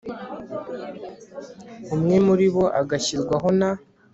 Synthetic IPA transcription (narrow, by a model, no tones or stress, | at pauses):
umŋe̞muɾiβo̞ʔaɡaçiɾɡwaɦo̞na